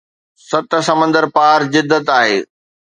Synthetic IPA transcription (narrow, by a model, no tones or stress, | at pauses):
sɐt̪̆sɐmə̃nd̪əɾpaːɾzɪd̪ːət̪aːɦeː